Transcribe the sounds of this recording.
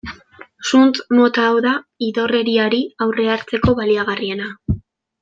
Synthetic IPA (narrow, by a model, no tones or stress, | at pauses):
sunt̪mo̞t̪aːwðaiðo̞re̞ɾiaɾiawre̞aɾt͡se̞ko̞βaliaɣ̞arie̞na